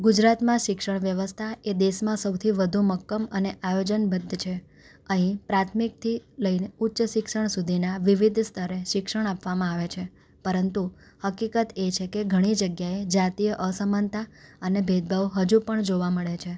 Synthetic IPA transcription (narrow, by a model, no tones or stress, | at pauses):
ɡud͡ʒɾat̪mãʃɪkʃəɳʋjəʋəst̪ʰaed̪eʃmãsəwt̪ʰiʋəd̪ʱuməkːəməneʔajod͡ʒənbəd̪ʱːt͡ʃʰe | əɦĩpɾat̪ʰmik̚t̪ʰiləineutːʃəʃɪkʃəɳ̃sud̪ʱinaʋiʋid̪ʱst̪ʰəɾeʃɪkʃəɽ̃apʋamãaʋet͡ʃʰe | pəɾənt̪u | həkikət̪et͡ʃʰekeɡʱəɽ̃id͡ʒəɡjaed͡ʒat̪ijəʔəsəmənt̪aənebʱed̪̚bʱəʋɦəd͡ʒupəɳd͡ʒoʋaməɭet͡ʃʰe